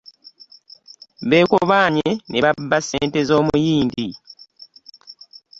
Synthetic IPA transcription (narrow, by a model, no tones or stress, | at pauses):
βe̞ːkoβaːɲeneβabːaseːnte̞zo̞ːmujiːndi